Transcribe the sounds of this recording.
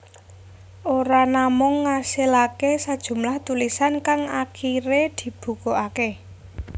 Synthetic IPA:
ʔoɾanamʊŋːasilakesad̥ʒ̥ṳmlaht̪ulisankaŋakʰiɾed̪̥i̤b̥ṳkoʔake

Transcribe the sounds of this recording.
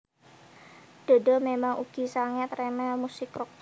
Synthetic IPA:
d̥o̤dɔmemaŋʔuɡ̥i̤saŋɛt̪remɛmusɪkrɔk̚

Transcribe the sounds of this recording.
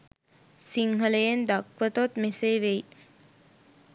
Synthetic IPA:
siŋɦɐlejend̪akʋət̪ot̪meseːʋej

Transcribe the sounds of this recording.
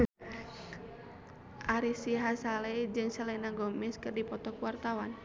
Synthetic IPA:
ʔaɾisiɦasalɛd͡ʒɨŋsəlɛnaɡɔmɛskɨrdipɔt̪ɔkwart̪awan

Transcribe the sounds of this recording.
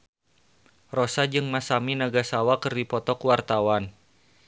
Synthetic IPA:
rɔsad͡ʒɨŋmasaminaɡasawakərdipɔt̪ɔkwart̪awan

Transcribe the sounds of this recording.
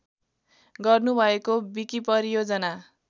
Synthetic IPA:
ɡʌrnubʱʌekobikipʌɾijod͡zʌna

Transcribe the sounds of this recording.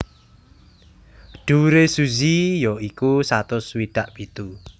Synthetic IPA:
ɖ̥uɾesuzijɔikusat̪ʊswiɖ̥aʔpit̪u

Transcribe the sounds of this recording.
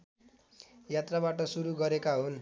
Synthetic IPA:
jat̪raβaʈʌsuɾuɡʌɾekaɦun

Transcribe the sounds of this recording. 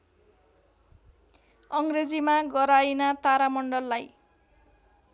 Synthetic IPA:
ʌŋɡred͡zimaɡʌɾajnat̪aɾamʌɳɖʌlːaj

